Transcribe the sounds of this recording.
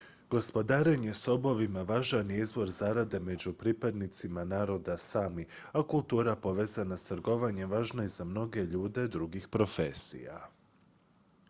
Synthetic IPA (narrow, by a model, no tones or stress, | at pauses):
ɡo̞spo̞d̪aːɾeɲe̞so̞bo̞ʋimaʋaːʒanjiizʋo̞ɾzaɾad̪e̞me̞d͡ʑupɾipad̪nit̪simanaːɾo̞d̪asaːmi | akulˠt̪uːɾapo̞ʋe̞ːzanast̪ɾɡo̞ʋaɲe̞mʋaːʒnaizamno̞ɡe̞ʎuːd̪e̞d̪ɾuɡixpɾo̞fe̞sḭja̰